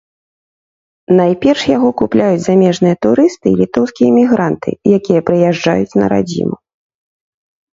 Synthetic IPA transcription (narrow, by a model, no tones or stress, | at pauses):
najpʲɛrʂjaɣɔkuplʲajut͡sʲzamʲɛʐnɨjɐt̪uɾɨst̪ɨːlʲit̪ɔwskʲijɐmʲiɣɾant̪ɨ̰jakʲijɐpɾɨjɛʐd͡ʐa̰jut͡sʲnɐ̰ɾa̰d͡zʲḭmu